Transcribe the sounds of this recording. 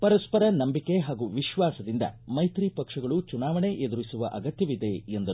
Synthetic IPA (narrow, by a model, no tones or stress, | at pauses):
pɐɾɐspɐɾɐnɐmbike̞ɦaːɡuʋiʃʋaːsɐd̪ind̪ɐ̰mɐjt̪ɾipɐkʂɐɡɐɭut͡ʃunaːʋɐɳe̞ʔed̪uɾisuʋɐʔɐɡɐt̪jɐʋid̪e̞end̪ɐɾ